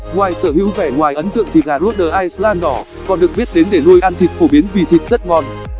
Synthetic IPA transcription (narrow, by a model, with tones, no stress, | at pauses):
ŋwaː˨˩jsəː˧˩ɦḭ˧˥wvɛ˧˩ŋwaː˨˩jʔə˨˦nt̪ɨ̰˧˨əŋt̪ʰi˨˩ɣaː˨˩lu˦˥t̚ɗəː˨˩ʔaː˧jslaː˧nɗɔ˧˩ | kɔ˨˩nɗɨ˨˩ək̚ɓi˦˥ət̚ɗe˨˦nɗe˧˩lu˧əjʔaː˧nt̪ʰï˨˩k̟̚fo˧˩ɓi˨˦ənvi˨˩t̪ʰï˨˩k̟̚zə˦˥t̚ŋɔ˨˩n